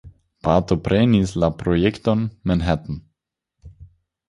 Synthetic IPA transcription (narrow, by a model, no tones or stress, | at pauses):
pat̪opɾenislapɾojekto̞nmanɦat̪n̩